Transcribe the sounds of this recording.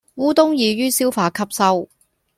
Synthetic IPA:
wuː˥t̪ʊ˥ŋjiː˨˧ɥyː˥siː˥wfaː˧kʰɐ˥p̚sɐ˥w

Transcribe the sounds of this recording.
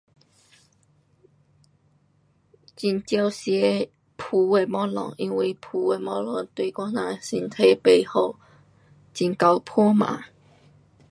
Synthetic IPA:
t͡ɕi˧˩nt͡ɕja˧ʊɕjɛ˧˦ | pʰu˧˩e˧mɔ̃˥˦lɔ̰˨˩˦ŋʔi˧˥nwi˧˩pʰu˨˧e˧˩mɔ˦lɔ˨˩˦ŋt̪we˧kwa˥˦nã˧˨si˧nt̪ʰe˧˦pe˧˩ho˨˩ʊ | t͡ɕi˨˩nka˧ʊpʰɔ˥˦mã̰˨˦

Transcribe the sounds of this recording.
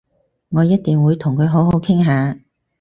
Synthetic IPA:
ŋɔː˨˧jɐ˥t̚t̪iː˨ŋwuː˨˧jt̪ʰʊ˨˩ŋkʰɵ˨˧ɥɦo˨˥wɦo˨˥wkʰɪ˥ŋɦaː˨˧

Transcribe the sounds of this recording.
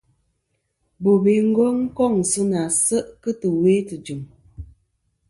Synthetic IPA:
bo˨be˨˦ŋ̩˦ɡɔ˦ŋ̩˦kɔ˦˨ŋ˨sə˦na˨sə˦ʔkə˦tə˨we˦tɨ˨d͡ʒɨ˨m

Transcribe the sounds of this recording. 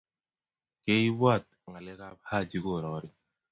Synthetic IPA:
ke˦i˦bwa˦˨t̪̚ŋa˨lɛ˦ka˦pha˦˨d͡ʒi˦ko˦˨ɾɔ˨˦ɾi˦

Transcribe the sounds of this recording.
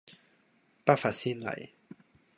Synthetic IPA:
pa˦fa˨si˦nla̰˨j

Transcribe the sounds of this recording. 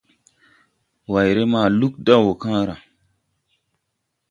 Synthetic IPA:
wa˨jɾe˦maː˦˨lu˦k̚da˦wo˨kãː˦ɾa˨

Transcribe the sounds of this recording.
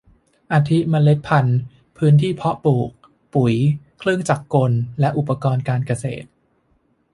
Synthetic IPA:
ʔaː˧t̪ʰi˦˥ma˧le˦˥t̪̚pʰa˧n | pʰɯː˦˥nt̪ʰiː˥˩pʰɔ˦˥ʔpuː˨˩k̚ | pu˩˦j | kʰlɯ˥˩ŋt͡ɕa˨˩kːo˧nlɛ˦˥ʔu˨˩pːa˧kɔː˧nkaː˧nka˧sḛː˨˩t̪̚

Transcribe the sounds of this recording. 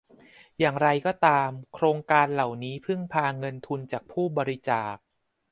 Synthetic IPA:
jaː˨˩ŋɾa˧jkɔː˥˩t̪aː˧mkʰɾoː˧ŋkaː˧nla˨˩wniː˦˥pʰɯ˥˩ŋpʰaː˧ŋɤ˧nt̪ʰu˧nt͡ɕaː˨˩k̚pʰuː˥˩bɔː˧ɾi˦˧t͡ɕaː˨˩k̚

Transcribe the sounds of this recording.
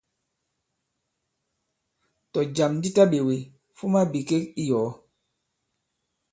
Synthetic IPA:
tɔ˨d͡ʒa˨mndi˦ta˦ɓe˨we˨ | fu˦ma˦bi˨ke˦ki˦jɔː˨˦

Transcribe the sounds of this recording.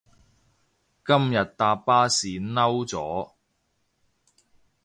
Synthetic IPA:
kɐ˥mjɐ˨t̚t̪aː˧paː˥siː˨nɐ˥wt͡sɔː˨˥

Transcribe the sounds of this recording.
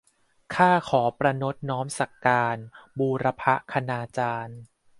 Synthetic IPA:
kʰaː˥˩kʰɔː˩˦pɾa˧no˦˥t̪̚nɔː˦˥msa˨˩kːaː˧nbuː˧ɾa˧pʰa˦˥ʔkʰa˧naː˧t͡ɕaː˧n

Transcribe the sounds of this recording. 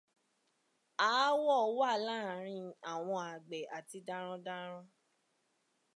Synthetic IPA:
a˨˦wɔ˦˨˦wa˦˨la˦˨ɾ̃ĩ˧a˨w̃ɔ̃˧a˨ɡ͡bɛ˨ʔa˨ti˧dã˦ɾ̃ɔ̃˧dã˦ɾ̃ɔ̃˧

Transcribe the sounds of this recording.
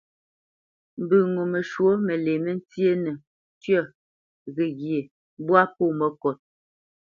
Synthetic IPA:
m̩˨bɨ˨ŋo˨mə˨ʃwo˦mə˨le˨mə˦n̩˦t͡sje˦nə˨ | tɥɔ˦˨ | ɣe˨ɣje˨ | bwa˦po˦˨mə˦kɔ˨t̚

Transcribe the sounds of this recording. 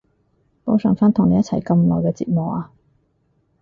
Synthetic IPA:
po˨˥wsœː˨˩ŋfaː˥nt̪ʰʊ˨˩ŋne˨˧jɐ˥t͡sʰɐ˨˩jkɐ˧mlɔ̰ː˨˩jkɛ˧t͡sḭː˧t̚mʊ˨k̚aː˧

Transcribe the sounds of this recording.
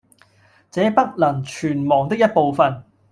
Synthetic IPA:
t͡sɛː˨˥pɐ˥t̚lɐ˨˩ŋt͡ʃʰyː˨˩nmɔː˨˩ŋt̪ɪ˥k̚jɐ˥t̚po˨wfɐ˨n

